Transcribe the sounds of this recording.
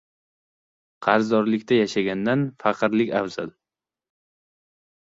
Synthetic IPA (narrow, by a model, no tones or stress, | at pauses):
qʰɑɾzd̪ɒɾlɪkʲt̪ʰajaʃaɡʲand̪anfɑqʰɨɾlɪkʲavz̥a̰l